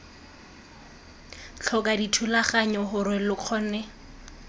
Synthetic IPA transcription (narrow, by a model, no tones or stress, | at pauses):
t͡ɬʰɔkʼaditʰulaχaɲɔɦʊɾɪlʊq͡χʰɔnɛ